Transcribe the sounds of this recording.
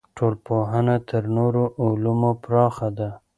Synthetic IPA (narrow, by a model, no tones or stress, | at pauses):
ʈʰolpoɦənat̪ʰəɾnoɾoʔʊlumopɾɑxad̪a